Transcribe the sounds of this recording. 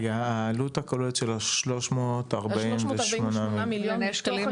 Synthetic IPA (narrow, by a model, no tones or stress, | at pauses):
jaalutakalolet̪ʃelaʃlo̞ʃmotaʁbaimemonamimiljoʃkalim